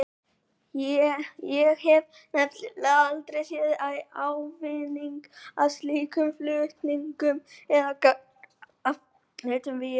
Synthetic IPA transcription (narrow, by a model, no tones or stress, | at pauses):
jɛjɛɣhɛv | nɛt̪llalt̪ɾejsjɛðʔajawvɪniŋka̰ðst̪liːkʏmflʏht̪niŋkʏmɛðaka | a | hejt̪ʏmvɪ